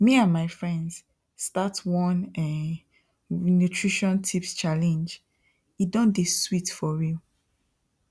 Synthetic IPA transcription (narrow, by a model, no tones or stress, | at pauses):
miãnmaɪfɹɛ̃ndz̥ | statwɔ̃nɛ | nutʰɹiʃɔ̃ntʰipst͡ʃalɛ̃nd͡ʒ | idɔ̃ndeswitfɔɹju